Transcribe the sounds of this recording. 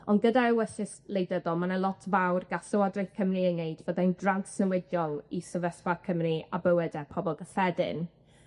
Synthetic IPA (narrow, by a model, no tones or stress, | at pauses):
ɔnɡədaɛwəɬɪslejdəðɔmanəlˠɔtʰvawrɡasəwadrɪjθkʰəmriəneɨdvəðajndransnəwɪdjɔlˠisəvɛsvakʰəmriabəwɛdɛpʰɔbɔlˠɡəfɛdɪ̰n